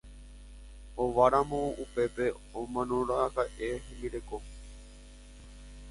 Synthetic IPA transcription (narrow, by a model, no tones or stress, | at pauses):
oʋaɾamõupepe | omãnõɾakaʔeɦẽmiɾeko